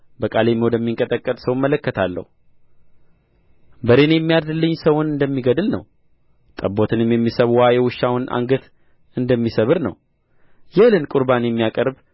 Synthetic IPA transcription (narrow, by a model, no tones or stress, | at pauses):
bəkʼalemod̪jɛmːiŋkʼət̪ʼəkʼːət̪ʼsəwmːələkːət̪ʰalːə̰hu | bəɾenjɛmːijadd̪ɨlːɨɲːsəwʊnɨnd̪əmːiɡəd̪ɨlnə̰w | t̪ʼəbːo̞t̪ʰɨnɨmjɛmːisəβwajɛwɨʃːawʊnʔa̰ŋɡət̪ | ɨnd̪əmːisəβɨɾnə̰w | jɛlɨnkʼʊɾbanjɛmːijakʼəɾb